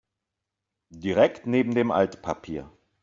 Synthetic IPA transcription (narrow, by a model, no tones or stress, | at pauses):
d̥iʁɛktneːbm̩deːmʔa̰ltpʰapʰiːɐ